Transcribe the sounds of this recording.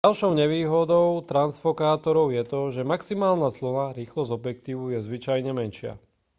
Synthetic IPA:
alʃɔʊɲɛʋiːɦɔd̪ɔʊt̪ɾansfɔkaːt̪ɔɾɔʊjɛt̪ɔʒɛmaksimaːlnaslɔnaɾiːxlɔzɔbjɛk̚t̪iːʋujɛzʋit͡ʃajɲɛmɛnʃɪa̰

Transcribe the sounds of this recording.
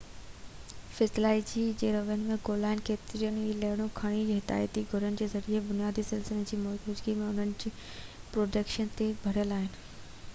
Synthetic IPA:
fɪsɪlaːid͡ʑiːd͡ʑeːɾɐʋənɪ̆mẽɡoːlaːɦɪnɪ̆keːt̪ɪɾijənileɪɽ̃õkʰaɽ̃id͡ʑiɦɪd̪a̰ːjət̪iɡʱʊɾənɪ̆d͡ʑeːzɐɾiebʊnijaːd̪ʱisɪlsɪled͡ʑiːmoːtʊd͡ʑɡimẽʊn̤ənɪ̆d͡ʑiː | pɾoːɖəkʃənt̪ebʱɐɽijəlaːɦɪnɪ̆

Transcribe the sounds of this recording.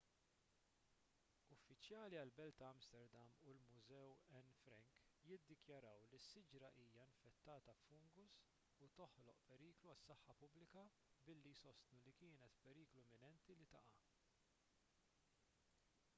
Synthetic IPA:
ʊfːɪt͡ʃjɐːliɐlbɛlt̪ɐɐmst̪ɛɾd̪ɐmulmʊzɛwɛnfɾɛŋkjɪd̪ːɪkjɐɾɐwlisːɪd͡ʒɾɐʔiːjɐɪnfɛt̪ːɐːt̪ɐfʊŋɡʊs | ut̪ɔħlɔʔpɛɾiːkluɐsːɐħːɐpʊblɪkɐ | bɪlːijsɔst̪nulikɪːnɛt̪pɛɾiːkluɛmɪnɛnt̪ilit̪ɐʔɐ

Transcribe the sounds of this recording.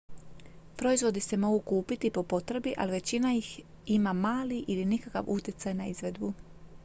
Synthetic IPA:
pɾo̞izʋo̞d̪ise̞mo̞ɡukuːpit̪ipo̞po̞t̪ɾe̞biʔa̰liʋe̞t͡ɕinajix | imamaːliʔilinikaka̰ʋʔut̪ʲjet̪sajnaizʋe̞d̪bu

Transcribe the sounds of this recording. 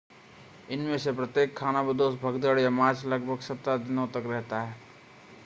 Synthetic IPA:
ɪnmesepɾət̪jeːkʰːaːnabɪd̪osbʱəɡd̪əɽjamaːt͡ʃləɡbʱəɡsət̪ːad̪ɪnot̪əkɾɛɦt̪aɦɛː

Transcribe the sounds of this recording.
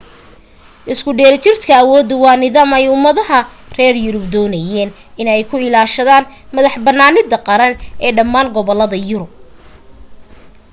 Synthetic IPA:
ʔɪskʰʊɖɛːlɪt̪ʰɪrt̪kʰɐːwɔːd̪ʊwɑːnɪðaːmɛjʊmːɐðɐɦɐ | rɛːrjʊɾʊbd̪ɔːnɐjɛːn | ɪnɛjkʰʊɪlaːʃɐðaːnmɐðɐħbɐnːaːnɪd̪ɐqɑɾɐnʔɛːɖɐmːaːŋɡɔβɔlːɐðɐjʊɾʊb̚

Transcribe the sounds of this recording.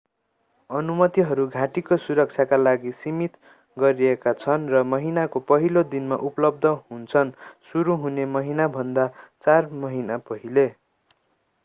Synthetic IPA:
ʌnumʌt̪iɦʌɾuɡʱaʈikosuɾʌk̚t͡sʰjakalaɡisimit̪ | ɡʌɾiekat͡sʰʌnrʌmʌɦinakopʌɦilod̪inma̰ʔupʌlʌb̚d̪ʱʌɦunt͡sʰʌnsuɾuɦunemʌɦinabʱʌnd̪at͡sarmʌɦinapʌɦile

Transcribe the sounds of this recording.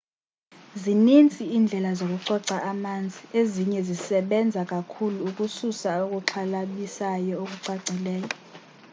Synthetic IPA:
zinint͡sʼiːnd͡ɮʱɛlazok̬ʼuǀɔǀaʔamand͡zʱieziɲɛzisɛɓɛnd͡zʱakʼakʰuluːkʼususaok̬ʼuǁʰalaɓisajɔok̬ʼuǀaɡ͡ǀʱilɛːjɔ

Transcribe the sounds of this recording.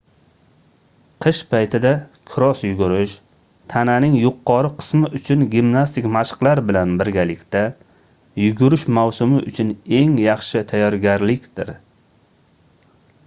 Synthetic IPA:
qʰɨʃpʰajt̪ʰɪd̪akʰʊɾɒsjʊɡʊɾɪʃ | t̪ʰananɪŋjʊqːɒɾɪqʰɨ̥smɪʔʊt͡ʃʰʊnɡʲimnast̪ʰɪkʲmaʃqlˠaɾbɪlanbɪɾɡʲalɪkʲt̪a | jʊɡʊɾɪʃmawsʊmɪʔʊt͡ʃʰʊne̞ŋjɑχʃɪt̪ʰajːɒɾɡʲaɾlɪkʲd̪̥ɪɾ

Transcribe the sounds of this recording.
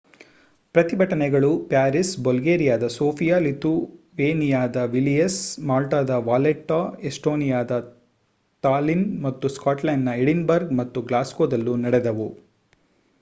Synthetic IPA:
pɾɐt̪ibʱɐʈɐnɛɡɐɭupaːɾisbolɡeːɾijaːd̪ɐsoːpijaːlit̪u | ʋeːnijaːd̪ɐʋilijɐsmaːlʈaːd̪ɐʋaːleʈːaːesʈoːnijaːd̪ɐ | t̪aːlinmɐt̪ːuskaːʈlɐjnːɐeɽinbɐɾɡmɐt̪ːuɡlaːskoːd̪ɐlːunɐɽɛd̪ɐʋu

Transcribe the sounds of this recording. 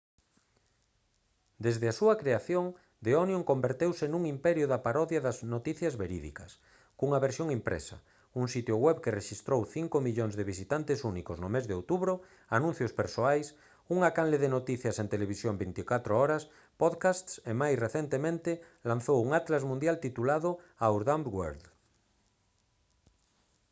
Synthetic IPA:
d̪ezðɪasuakɾeaθjoŋ | d̪eonjõŋkombeɾt̪ewsenũŋimpɛɾjʊðapaɾɔðjaðaznot̪iθjazβeɾḭðḭkas | kuŋaβeɾsjoŋimpɾḛsa̰ | uŋsit̪joɣwɛβkereʃist̪ɾowθiŋkomiʎoŋzðeβ̞isit̪ant̪esunikoznomezðeowt̪uβɾo | anũn̟θjospeɾsoajs | uŋakanleðenot̪iθjasẽnt̪eleβ̞isjombint̪ikat̪ɾoɔɾas | poðkast̪semajsreθent̪emẽnt̪elãn̟θowuŋat̪lazmũnd̪jalt̪it̪ulaðʊawɾðambɡwḛɾð

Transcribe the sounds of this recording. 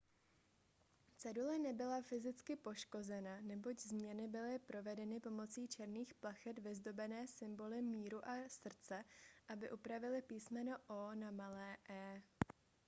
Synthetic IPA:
t͡sɛdulɛnɛbɪlafɪzɪt͡skɪpo̞ʃko̞zɛnanɛbo̞ɟzmɲɛnɪbɪlɪpɾo̞vɛdɛnɪpo̞mo̞t͡siːt͡ʃɛɾniːxplaxɛt̪vɪzdo̞bɛnɛːsɪmbo̞lɪmiːɾuʔasr̩t͡sɛʔabɪʔupɾavɪlɪpiːsmɛnoʔoːnamalɛːʔɛː

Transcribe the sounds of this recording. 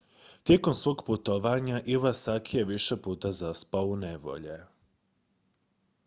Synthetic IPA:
t̪je̞komsʋo̞ːɡput̪oʋaɲaʔiʋasakʰijeʋiʃe̞puːt̪azaspaouneʋo̞̰ʎe̞

